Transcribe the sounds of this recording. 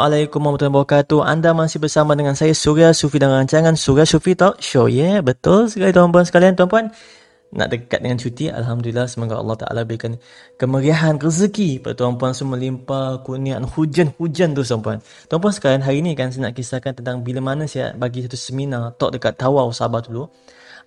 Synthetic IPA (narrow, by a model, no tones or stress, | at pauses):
ʔalajkumamt̪uanbawakat̪uʔa̰ndamasɪhbərsamadəŋansajasuɾiasufidanraɲt͡ʃaŋansuɾiasufit̪ɔʔʃojəbət̪ʊlsəkalit̪uwanpuansə̥kaliant̪uampuan | nʔa̰ʔdəka̰t̪̚dəŋant͡ʃut̪iʔa̰lɦamdulilːahsəmoɡa̰ɑ̰lːɑht̪a̰ʔa̰labəɾikan | kəməɾiaɦanrəsəkipada̰t̪uanpuansumə̃limpakuniaʔnhud͡ʒanhud͡ʒant̪ust̪wampuan | t̪uamp̬uansə̥kalianɦaɾinikansanaʔkisakant̪ənt̪aŋbilamanasaja̰baɡisat̪usəminat̪ɔʔ̚dəkat̪ːawawsabahd̪ulu